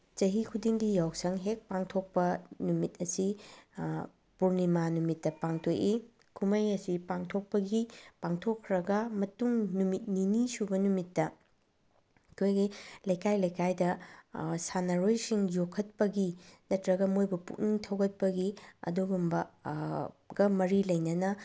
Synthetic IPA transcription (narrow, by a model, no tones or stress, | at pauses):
t͡ʃɐɦikʰudiŋdijawsɐŋɦek̚paŋtʰok̚pɐnumit̚ɐsi | puɾnimanumitːɐpaŋtʰoʔi | kʰumɐjɐsipaŋtʰok̚pɐɡipaŋtʰokʰːɾɐɡɐmɐtuŋnumit̚ninisubɐnumitːɐ | kʰojɡilɐjkajlɐjkajdɐ | sanɐɾojsiŋjokʰːɐt̚pɐɡinɐtɾɐɡɐmojbɐpṵk̚niŋtʰɐwɡɐt̚pɐɡiɐ̰duɡumbɐ | ɡɐmɐɾilɐjnɐnɐ